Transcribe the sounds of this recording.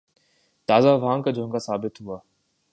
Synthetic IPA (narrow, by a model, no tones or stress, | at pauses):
t̪aːzaʋãːŋkad͡ʒʱõːŋɡaːsaːbɪt̪ɦuaː